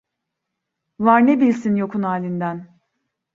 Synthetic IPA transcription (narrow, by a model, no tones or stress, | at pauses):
vaɾnebilʲsinjo̞kʰunaːlʲind̪æn